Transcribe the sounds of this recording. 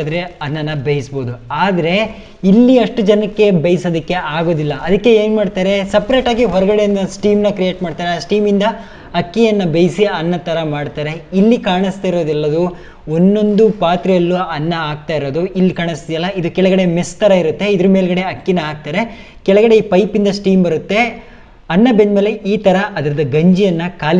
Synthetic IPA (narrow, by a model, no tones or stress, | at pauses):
d̪ɐɾeɐnːɐnːɐbɐjisboːd̪uaːd̪ɐɾe̞ | ilːiɐʂʈud͡ʒɐnɐkːe̞bɐjisɐːd̪ɐkːe̞aːɡo̞ːd̪ilːɐʔɐd̪ɐkːe̞eːnmaːɖt̪aːɾe̞sɐpɾeːʈaːɡiɦɔɾɐɡɐɽeɐnɐsʈiːmnɐkɾijeːʈmaːɖt̪aːɾeasʈiːmind̪ɐ | ɐkːijɐnːɐbɐjsiɐnːɐt̪ɐɾɐmaːɖt̪aːɾe̞ilːikaːɳist̪aːjiɾo̞ːd̪ɛlːɐd̪u | onːo̞nd̪upaːt̪ɾɐjɐlːuɐnːɐaːɡ̚t̪aːjiɾo̞ːd̪uilːikaːɳist̪id̪ijɐlːɐid̪ukɛɭɐɡɐɽe̞mest̪ʰɐɾɐiɾut̪ːe̞id̪ɐɾume̞ːlɡɐɽe̞ɐkːinɐaːɡ̚t̪aːɾe̞ | kɛɭɐɡɐɽe̞iːpɐjpind̪ɐsʈiːmbɐɾut̪ːe̞ | ɐnːɐbenmeːleiːt̪ɐɾɐʔɐd̪ɐɾɐd̪ɐɡɐɲd͡ʒijɐnːɐkaːl